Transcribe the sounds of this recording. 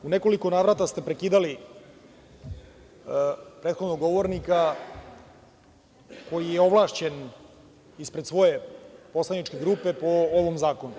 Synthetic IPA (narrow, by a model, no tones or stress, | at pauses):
uneko̞liko̞naːʋɾat̪ast̪e̞pɾekiːd̪ali | pɾeːt̪xo̞d̪noɡo̞ʋo̞ɾnika | ko̞jijeo̞ʋlˠaːʃt͡ɕe̞n | ispɾed̪sʋo̞je̞po̞slanit͡ʃke̞ɡɾuːpe̞po̞oʋomzaːko̞nu